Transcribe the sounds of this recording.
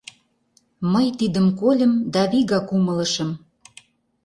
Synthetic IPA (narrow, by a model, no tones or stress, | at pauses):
məjt̪id̪əmkolʲə̆md̪ɑβiɣɑkumə̆lə̆ʃə̆m